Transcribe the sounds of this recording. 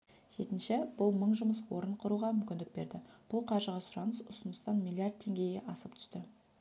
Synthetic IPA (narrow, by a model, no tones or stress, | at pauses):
k̪ʰet̪ɪnʃeb̥ʊlˠməɴʒʊməs̬wo̞ɾəɴqʰʊɾuʁɑmʏmkʲɪnd̪ɪk̚be̞̰ɾd̪ɪb̥ʊlˠqʰɑɾʒəʁɑsʊɾɑnəsʊsənəst̪ɑnmʲilˠiard̪̚t̪ʰːe̞ŋɡʲe̞jeʔɑsəpt̪ʰʏ̥st̪ɪ